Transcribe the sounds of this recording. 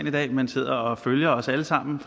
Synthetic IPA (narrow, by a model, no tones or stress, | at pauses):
nid̥ɛ̰ːmænse̝ð̰ˠɐɒ̽føljɐɒ̽səæləsɑ̈m̰n̩f